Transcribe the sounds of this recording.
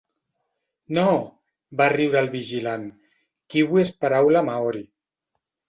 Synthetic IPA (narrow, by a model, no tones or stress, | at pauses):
no | bariwɾalˠβiʒilan | kiβwespaɾawlamaɔɾi